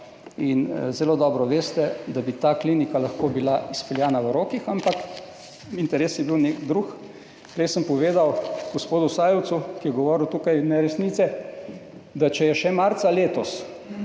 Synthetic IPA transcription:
inzɛloːd̪ɔːbɾɔʋeːst̪ɛd̪abit̪aːklinikalaxkoːbilaispɛljaːnaʋəɾoːkixampak | int̪ɛɾeːsjɛbiwnekd̪ɾux | pɾɛjsəmpɔʋeːd̪awɡ̥ospoːd̪usaːjɛwt̪sukijɛɡɔʋɔːɾiwt̪uːkajnɛɾɛsnit̪sɛ | d̪at͡ʃɛjɛʃɛmaɾt̪saleːt̪ɔs

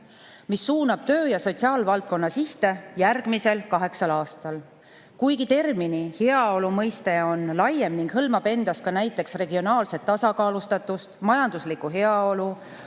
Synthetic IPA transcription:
misːuːnɑb̥̚t̪ø̞ːjɑso̞t̪ʲsiɑːlvɑlt̪̚ko̞nːɑsiht̪e̞jærɡ̥mise̞lkɑɦe̞ksɑlɑːst̪ɑl | kujɡit̪e̞rminiheɑo̞lumɤjst̪eo̞nlɑjemniŋɡhɤlmɑb̥e̞nd̪̥ɑskɑnæjt̪ːˑe̞ksre̞ɡio̞nɑːlse̞t̪ːɑsɑkɑːlust̪ɑt̪ːˑust̪mɑjɑnd̪̥uslikuɦe̞ɑo̞lu

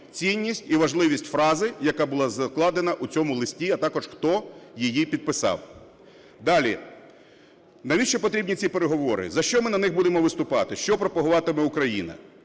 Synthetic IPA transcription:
t͡sʲinʲːisʲtʲiʋɐʒlˠɪʋʲisʲtʲfɾɑzɪjɐkɑbʊlˠɑzɐklˠɑd̪enɐʔʊt͡sʲɔmʊlˠɪsʲtʲiɐt̪ɑkɔʒ̥xt̪ɔjijipʲid̪̚pɪsɑ̰w | d̪ɑlʲi | nɐʋʲiʃt͡ʃɔpɔt̪ɾʲibʲnʲit͡sʲipeɾeɦɔʋɔɾɪ̰zɐʃt͡ʃɔmɪnɐnɪxbud̪emɔʋɪst̪ʊpɑt̪ɪʃt͡ʃɔpɾɔpɐɦʊʋɑt̪ɪmɛʊkɾɐjinɐ̰

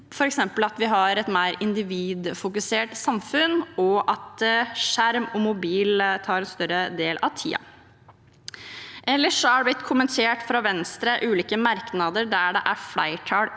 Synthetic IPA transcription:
fɔɾɛksɛmpəlɑt̪ʋɪɦɑɾɛt̪mæɪɾɪnd̪ɪʋiːd̪fʊkʉseːʈsɑmfʉnɔʔɑt̪ʂæɾmɔmʊbiːlt̪ʰɑːɾɛnst̪œɾəd̪eːlʔɑʋt̪ʰḭːɑ̰ | ʔɛlːəʂɔhɑɖɛb̪ɪt̪ːkʰʊmənt̪ʰeːʈfɾɑʋɛnst̪ɾəʔʉːliːkəmɑɾknɑd̪əɾɖæɖɛʔæɾflæɪʈʰɑɽ

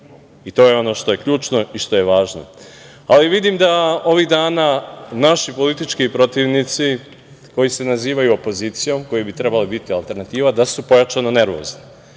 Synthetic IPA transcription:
it̪o̞ːjeo̞no̞ːʃt̪o̞je̞kʎuːt͡ʃno̞iʃt̪o̞je̞ʋaːʒno̰ | aliʋid̪imd̪ao̞ʋiɣd̪aːnanaʃipo̞lit̪it͡ʃkipɾo̞t̪iʋnit̪si | ko̞jise̞naziːʋajuopo̞ziːt̪sijo̞mko̞jebit̪ɾe̞balibit̪ialˠt̪e̞ɾnat̪iːʋad̪asupo̞jat͡ʃanone̞ɾʋo̰zni

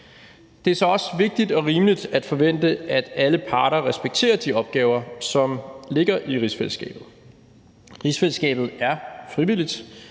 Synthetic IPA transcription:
d̥e̝æɐsɒ̽ɒ̽sʋe̝ɡ̥̚d̥id̥ɒ̽ʁiːməlid̥æd̥fɒ̽ʋen̰d̥əæd̥æləpʰɑ̈ːɾɐʁɛsb̥eɡ̥̚t͡sʰe̝̰ːɐd̥iɒ̽b̥̚ɡ̥ɛːʊɐsɒ̽mle̝ɡ̥ɐʔiʁisfel̰sɡ̥ɛ̰ːb̥ð̞̩ˠ | ʁisfelsɡ̥ɛ̰ːb̥ð̞̩ˠæɐfʁiʋilid̥

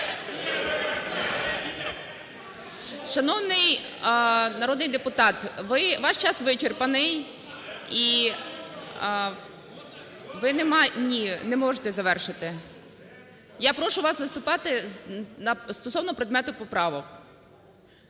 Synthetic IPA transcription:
ʃɐnɔwnɪj | nɐɾɔd̪nɪjd̪epʊt̪ɑt̪ʋɪʋɑʃt͡ʃɑsʋɪt͡ʃerpɐnɪj | i | ʋɪnɛmnʲinɛmɔʒet̪ɛzɐʋɛrʃɪt̪ɪ | japɾɔʃʊʋɑsʋɪst̪ʊpɑt̪ɪnɐst̪ɔsɔwnɔpɾed̪mɛt̪ʊpɔpɾɑʋɔk

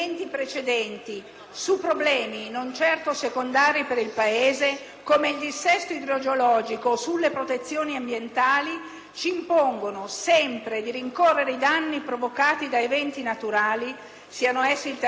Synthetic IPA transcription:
nt̪ipɾet͡ʃed̪ɛnt̪i | supːɾoblɛːminont͡ʃɛrt̪osekond̪aːɾipeɾilpaeːze | koːmeild̪isːɛst̪oid̪ɾod͡ʒeolɔːd͡ʒikosulːepɾot̪et̪sːjoːniambjent̪aːli | t͡ʃiːmpoŋɡonosɛmpɾed̪iɾiŋkorːeɾeid̪anːipɾovokaːt̪id̪aevɛnt̪inat̪uɾaːli | siːanoɛsːilt̪

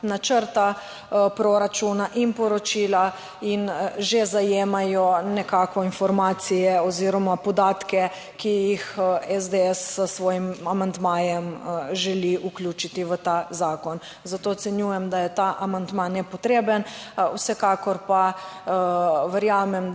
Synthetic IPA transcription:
nat͡ʃəɾt̪a | pɾoɾat͡ʃunaʔinpɔɾɔt͡ʃila | inʒezajeːmajɔnɛkaːkɔinfɔɾmaːt̪sijɛɔziːɾɔmapɔd̪aːt̪kɛ | kijixɛzd̪eɛsːəsʋɔːjimamand̪majɛmʒɛliʔuklʲjuːt͡ʃit̪iʋət̪azaːkɔn | zat̪ot̪sɛnjujɛmd̪ajɛt̪aʔamand̪manɛpɔt̪ɾeːbənwsɛkaːkɔɾpa | ʋɛɾjaːmɛm

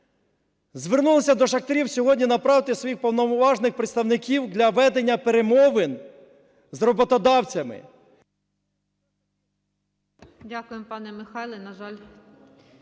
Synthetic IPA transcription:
zʋernulˠɔsʲɐd̪ɔʃɐxt̪eɾʲiwsʲɔɦɔdʲnʲinɐpɾɑwt̪ɪsʋɔjixpɔwnɔʋɑʒnɪxpɾet̪st̪ɐwnɪkʲiwd̪lʲɐʋɛd̪enʲːɐpeɾemɔʋɪn | zrɔbɔt̪ɔd̪ɑwt͡sʲɐmɪ̰ | dʲakʊjempɑnɛmɪxɑjlˠɪnɐʒɑlʲ

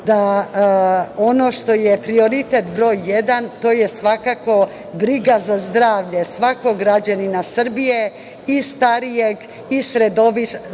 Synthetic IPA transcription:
d̪a | ono̞ʃt̪o̞jepɾio̞ɾit̪et̪bɾo̞ːjːed̪ant̪o̞ːje̞sʋakako̞ | bɾiɡazazd̪ɾaːʋʎe̞sʋako̞ɡɾad͡ʑaninasr̩bije̞ | ist̪aɾijeɡ | isɾed̪o̞ʋi

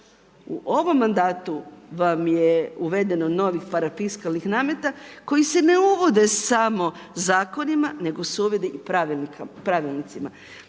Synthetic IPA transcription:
uʔo̞ʋo̞mːand̪aːt̪uʋamjeuʋe̞d̪e̞nono̞ʋixpaɾafiskalnixnaːmet̪ako̞jise̞ne̞uʋo̞d̪e̞samo̞ | zaːko̞nimane̞ɡo̞soːʋjed̪eʔipɾaʋilnikpɾaʋilˠnit̪sima̰

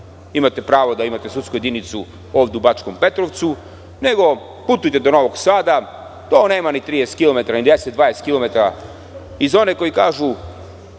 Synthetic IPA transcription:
imat̪e̞pɾaːʋod̪aimat̪esut̪skuje̞d̪init̪su | o̞ːʋd̪eubat͡ʃkompe̞t̪ɾoʋt̪su | ne̞ɡo̞ | put̪ujt̪ed̪o̞no̞ʋo̞ɡsaːd̪a | t̪oːne̞ːmanit̪ɾid̪est̪kilo̞me̞t̪aɾanid̪eset̪d̪ʋaːjest̪kilˠo̞me̞t̪aɾa | izo̞neko̞jikaːʒu

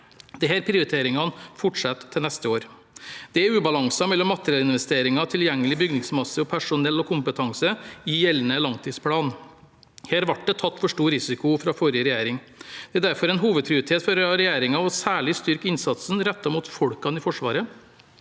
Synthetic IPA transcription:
d̪ɛɦæːɾpʰɾɪʊɾɪt̪ʰeːɾɪŋɑnfɔʈʂɑt̪ʰːɪlnɛst̪əoːɾ | d̪̥ɛæɾʉːbɑlɑŋsɑmɛlːɔmːɑt̪əɾɪɑlɪnʋɛst̪eːɾɪŋɑt̪ʰɪljɛŋːəlɪbʏɡnɪŋsmɑsːəɔpʰæʂʊnɛlːɔkʰʊmpət̪ʰɑŋsəɪjɛlːnəlɑŋt̪ʰiːd̪spʰlɑːn | heːɾʋɑʈ̚d̪ɛt̪ʰɑt̪ːfɔʂʈuːɾɪsɪkʊfɾɑfɔɾjəɾɛjæːɾɪŋ | d̪̥ɛæːd̪æɾfɔɾɛɪnɦuːʋəd̪̚pʰɾɪʊɾɪt̪ʰeːt̪fɔɾɾɛjæːɾɪŋɑɔsæːɭɪst̪ʏɾkɪnsɑt̪snɾɛt̪ːɑmuːt̪fɔɽkɑnɪfɔʂʋɑːɾə

